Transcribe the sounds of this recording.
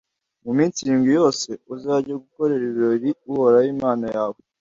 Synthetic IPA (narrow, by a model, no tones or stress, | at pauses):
mumiːnsiɾiːmɡijo̞ːse̞uzaɾɟaɡuko̞ɾe̞ɾiβiɾo̞ɾiuhoɾajiːmaːnajaːwo